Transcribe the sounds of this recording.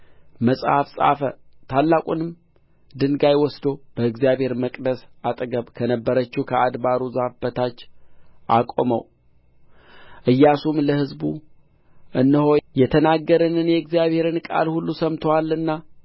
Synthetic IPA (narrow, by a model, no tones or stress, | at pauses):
məsʼhafsʼa̰fə̰t̪ʰalːakʼunɨm | d̪ɨnɡajwɔsd̪o̞b̥əɨɡzijaβhe̞ɾməkʼd̪əsat̪ʼɡəβkʰənəbːəɾət͡ʃːukʰəad̪baɾuzahfbət̪ʰat͡ʃːʔakʼoməw | ʔɨjːasumləhɨzbu | ʔɨnːɨho̞jɛt̪ʰənaɡːəɾənɨnjɛɨɡzjaβhe̞ɾɨnkʼa̰lhulːusəmt̪ʰowalːɨnːa